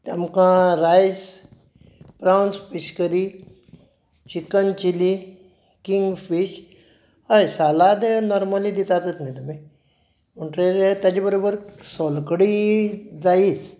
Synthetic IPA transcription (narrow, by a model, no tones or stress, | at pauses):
t̪ɐmkãːɾaːjz | pɾaːwnspiʃkəɾi | t͡ʃikənt͡ʃili | kiŋɡfiʃ | ɐsaːlaːd̪enoːɾməlid̪it̪aːt̪ət̪ʰnit̪umẽ | uɳʈɾeːɾet̪ɐd͡ʒbɐɾoːbəɾsoːlkəɽizaːiːs